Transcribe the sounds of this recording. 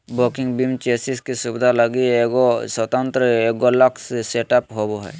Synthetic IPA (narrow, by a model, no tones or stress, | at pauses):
bokɪ̃ŋɡbimt͡ʃeːsiskisubɪd̪ʱaləɡieɡosət̪ə̃nt̪ɾəeɡolɐksseːʈapɦoboɦɛː